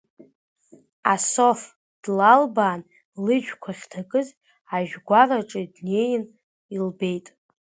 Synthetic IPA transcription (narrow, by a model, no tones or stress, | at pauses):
asof | d̥lalbaːn | lɨʒᶣkʷʰaχʲtʰakʼɨz | aʒᶣɡʷaraʈ͡ʂʼɨdne̞jɪn | ilbe̞jtʼ